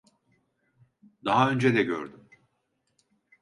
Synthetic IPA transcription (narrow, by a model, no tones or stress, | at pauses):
d̪aɦaø̞nd͡ʒɛd̪ɛɟø̰ɾd̪ym